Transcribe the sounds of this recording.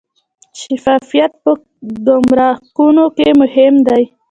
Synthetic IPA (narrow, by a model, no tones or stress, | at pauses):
ʃafɑfijat̪̚pə | d̪omɾɑkunokemʊhɪmd̪aj